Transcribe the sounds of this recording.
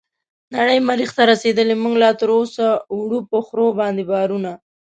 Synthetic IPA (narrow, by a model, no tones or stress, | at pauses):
naɽəjmaɾixt̪aɾased̪əlemuɡlat̪əɾosawɽupəxɾobɑnd̪ebɑɾuna